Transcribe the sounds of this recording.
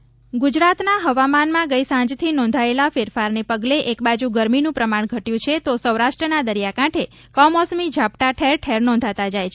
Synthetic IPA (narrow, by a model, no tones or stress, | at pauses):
ɡud͡ʒɾat̪naɦəʋamanmãɡəjsãd͡ʒt̪ʰinɔ̃nd̪ʱaelafeɾfaɾnepəɡleʔekbad͡ʒũɡəɾminũpɾəmaɳ̃ɡʱəʈjũt͡ʃʰet̪osəwɾaʃʈɾənad̪əɾijakãʈʰe | kɔmɔsmid͡ʒʱapʈaʈʰeɾʈʰeɾnɔ̃nd̪ʱat̪ad͡ʒajt͡ʃʰe